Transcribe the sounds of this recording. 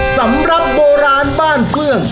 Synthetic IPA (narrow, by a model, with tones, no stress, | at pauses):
sa˩˦mɾa˨˩p̚boː˧ɾaː˧nbaː˥˩nkʰlɯ˥˩əŋ